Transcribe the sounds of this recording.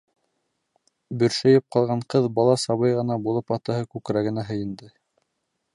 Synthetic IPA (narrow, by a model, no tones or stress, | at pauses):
bɵ̆ɾʃæjɘp̚qɑlˠʁɑɴqɤðbɑlˠɑsɑβɤjʁɤ̆nɑbulˠɤpɑt̪ɤ̆hɤkʉkɾæɡɘ̆næɦɘ̆jɘ̆nd̪ɘ